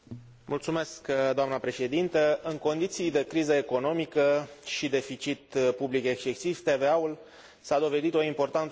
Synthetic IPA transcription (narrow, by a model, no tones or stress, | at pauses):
mult̪sume̞skd̪oamnəpɾe̞ʃe̞d̪int̪əɨŋko̞nd̪it̪sijd̪e̞kɾizəe̞ko̞no̞mikəʃid̪e̞fit͡ʃit̪publike̞kst͡ʃe̞siv̥t̪e̞ve̞aul | sad̪o̞ve̞d̪it̪o̞impo̞rt̪ant̪